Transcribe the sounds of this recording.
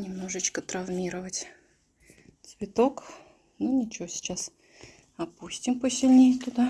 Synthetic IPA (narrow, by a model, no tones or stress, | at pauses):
nʲɪmno̞ʐɨt͡ɕkət̪ɾɐvmʲiɾəvətʲ | t͡s̪ʲpʲɪt̪ok | nunʲɪt͡ɕɪvosʲɪ̥t͡ɕas | ɐpusʲtʲɪmpəsʲɪlʲnʲejt̪ʊd̪a